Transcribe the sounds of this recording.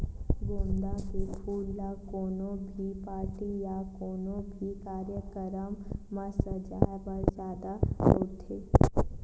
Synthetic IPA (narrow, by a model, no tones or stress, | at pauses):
ɡõːnd̪akepʰuːlːakoːnõbʱipaːɾʈijakoːnõbʱikaːɾjəkəɾəmːəsəd͡ʒa̰ːbəɾzjaːd̪aoːt̪ʰeː